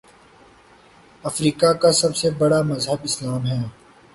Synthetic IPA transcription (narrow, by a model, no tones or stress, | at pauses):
ɐfɾiːkakasɐbsebɐɽamɐzɦəbɪslaːmɦɛː